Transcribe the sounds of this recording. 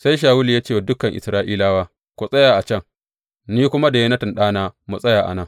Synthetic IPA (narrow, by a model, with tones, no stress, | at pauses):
sa˦jʃ̬aː˨wu˦li˨jaː˦t͡ʃeː˦˨wdʊ˦kɐ˨ŋʔɪ̰˨sɾaː˦ʔiː˦laː˦waː˦ | kʷu˨sʼɐ˦jaː˨ʔa˨t͡ʃɐ˦˨ŋ | niː˦kʷʊ˦ma˦da˨je˦nɐ˦tɪ˨nɗaː˦naː˦mu˨sʼɐ˦jaː˨ʔa̰˨nɐ˦˨ŋ